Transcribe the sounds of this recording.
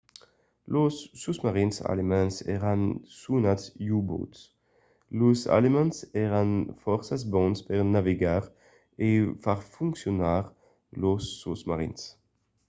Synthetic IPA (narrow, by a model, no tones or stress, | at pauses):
losːusmaʁinsa̰lemɑ̃nsɛ̰ʁansunatjubo̰t | losa̰lemɛ̃nsɛʁanfɔʁsasbɔ̃nspɛʁnaveɡaːʁ | efaʁfũŋksjɔnaːʁ | losːusmaʁḭns